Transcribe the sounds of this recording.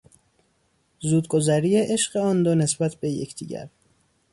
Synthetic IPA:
zuːd̪ɡozæɾijeʔe̞ʃɢeɒnd̪one̞sbæt̪ʰbejḛcʰd̪̥ḭːɟæ̰ɾ

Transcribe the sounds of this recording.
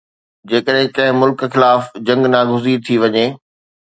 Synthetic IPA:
d͡ʑeːkəɗɦɪ̃kɐ̃ɦɪ̃mʊlkxɪlaːfd͡ʑɐ̃ŋɡnaːɡʱʊzit̪ʰiʋɐɲeː

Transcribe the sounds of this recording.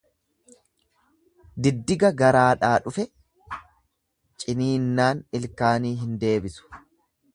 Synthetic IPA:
d̪ɪd̪ːɪɡɐɡɐɾaːᶑaːᶑʊfɛ | t͡ʃʼɪniːnːaːnɪlkaːniːɦɪnd̪e̞ːbɪsʊ̥

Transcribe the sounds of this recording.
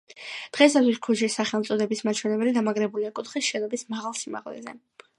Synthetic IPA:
d̪̥ʁɛsat̪ʰwiskʰuʒisaχɛlˠmt̪sʼɔd̪ɛbismat͡ʃʰwɛnɛbɛlid̪amaɡɾɛbuliakʼut̪ʰχisʃɛnɔbismaʁalˠsima̰ʁlɛ̰zɛ̰

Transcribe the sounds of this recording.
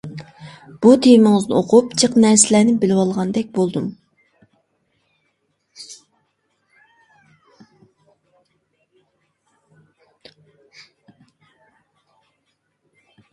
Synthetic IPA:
b̥ut̪ʰejmɪŋɨznɪoqʰupt͡ʃʰəqnæɾsɪlænɪbɪlɪwɑlˠʁɑnd̪ɛk̚ʲbolˠd̪um

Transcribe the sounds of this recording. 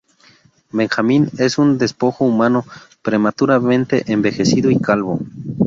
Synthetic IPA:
be̞ŋxamĩne̞sund̪e̞spo̞xoumãnopɾe̞mat̪uɾamẽ̞nt̪e̞ʔembe̞xe̞siðoikalβo̰

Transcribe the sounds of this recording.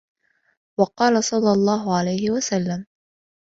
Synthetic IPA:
wɑqɑːlasˤɑlːɑlˤːɑːɦʊʕalajhɪwasalːam

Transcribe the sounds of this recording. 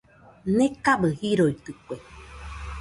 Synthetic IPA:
nekabɨhiɾoit̪ɨkʷe

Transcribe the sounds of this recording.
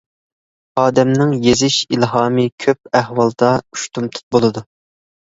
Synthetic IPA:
ɑːd̪ɛmnɪŋjezɪʃilɦɑːmɨkʲʰøp̚æhwɑlˠd̪ɑy̥ʃt̪ʰumt̪ʰu̥t̪̚bolˠɨd̪u

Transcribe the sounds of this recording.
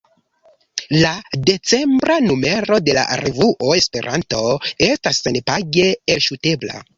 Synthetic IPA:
lade̞t͡se̞mbɾanume̞ɾo̞de̞la̰ʔɾevuʔoe̞spe̞ɾʔanto̞e̞stasenpaɡe̞elʃute̞bla̰

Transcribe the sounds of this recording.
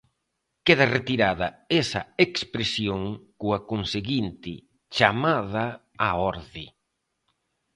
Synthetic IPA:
keð̞ɐret̪iɾaðɐesɐ̰ekspɾesjoŋkuakonseɣint̪ɪ | t͡ʃamaða | aɔɾðɪ

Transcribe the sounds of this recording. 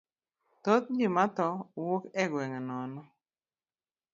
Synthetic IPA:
t̪ot̪̚d͡ʒimat̪ɔwukɛɡwɛŋnɔnɔ

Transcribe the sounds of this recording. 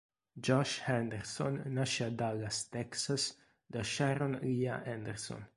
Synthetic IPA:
d͡ʒɔʃhɛnd̪ɛɾsɔ̰nːaʃad̪alast̪ɛksas | d̪aʃaɾonijaʔɛnd̪ɛɾsɔ̰n

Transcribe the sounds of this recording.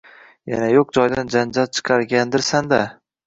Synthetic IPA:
ja̰najoq̚d͡ʒɒjd̪and͡ʒand͡ʒal̚t͡ʃʰɨ̥qʰɑɾɡʲand̪ɪɾsand̪a

